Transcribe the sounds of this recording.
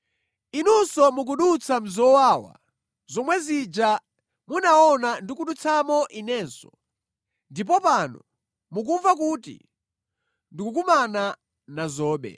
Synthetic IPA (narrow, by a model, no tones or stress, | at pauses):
inusɔmuk̬uɗut͡sʰam̩zɔwaːwa̰ | zɔmwɛzid͡ʒa | munaɔnandikuɗut͡sʰamɔʔinɛːnsɔ | ndip̬ɔpanɔ̰ | muk̬uɱvak̬utḭ | ndikukumana | nazɔːɓɛ̰